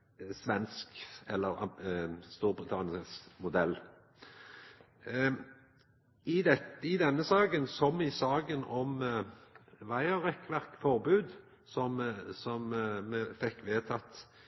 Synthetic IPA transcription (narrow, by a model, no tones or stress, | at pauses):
sʋɛnskɛlːəʁ | st̪uːʁbʁɪt̪ʰɑːnɪsmʊd̪ɛlː | ɪd̪ɛɪd̪ɛnːəsɑːɡənsɔmɪsɑːɡənɔm | ʋæɪəʁɛkʋæʁkfɔʁbʉːd̪ | sɔmsɔmːɛfɛkːʋeːt̪ʰɑt̪